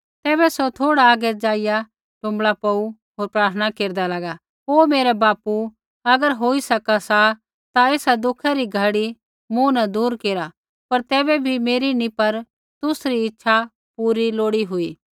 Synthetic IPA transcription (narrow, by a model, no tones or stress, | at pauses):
t̪ɛːbɛsot̪ʰoːɽaːɡɛd͡ʒaːɪja | ʈʊ̃mbɭapɐu | ɦoːɾpɾaːɾt̪ʰənakeːɾd̪alaɡa | oːmeːɾɛbaːpu | ɐɡəɾɦoːisɐkasa | t̪aeːsad̪ʊkʰaɾiɡʱɐɽi | mũnɐd̪uːɾkeːɾa | pɐɾt̪ɛːbɛbʱimeːɾinĩpɐɾ | t̪ʊsɾiɪtːʃʰa | puːɾiloːɽiɦʊiː